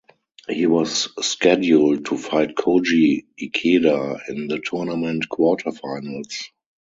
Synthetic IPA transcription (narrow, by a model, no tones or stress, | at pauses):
hiːwɔsːkɛdjuld̚tʰufaɪtkʰod͡ʒiikʰedaɪ̃nðətʰunamɛ̃ntkʰwɔtʰəfaɪnəls